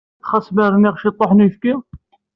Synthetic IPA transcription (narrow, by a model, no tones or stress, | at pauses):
χɑsmæɾˤniʁʃit̪ˤːoħnujfki